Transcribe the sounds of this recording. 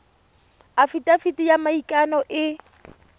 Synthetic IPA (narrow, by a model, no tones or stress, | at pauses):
afitʼafitʼijamaikʼanɔʔɪ